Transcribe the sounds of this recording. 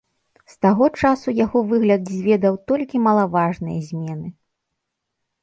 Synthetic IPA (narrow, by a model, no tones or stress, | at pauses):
st̪aɣɔt͡ʂasujaɣɔvɨɣlʲɐd̪zʲvʲɛd̪ɐwt̪ɔlʲkʲimɐlˠavaʐnɨjɐ̰zʲmʲɛnɨ